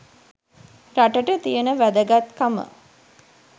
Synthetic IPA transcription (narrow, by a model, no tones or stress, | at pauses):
ɾaʈəʈət̪ijənəʋæd̪əɡat̪kamə̰